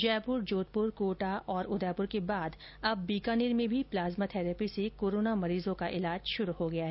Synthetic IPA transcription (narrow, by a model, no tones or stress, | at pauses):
d͡ʒɛːpʊɾd͡ʒoːt̪̚pʊɾkoːʈaʔɔːɾʊd̪ɛːpʊɾkebaːd̪ | ɐbːiːkaːniɾmẽbʱiplaːzmat̪ʰɛːɾɛːpisekoːɾoːnamɐɾiːzõkaʔɪlaːd͡ʒʃʊɾuhoɡɐjaɦɛː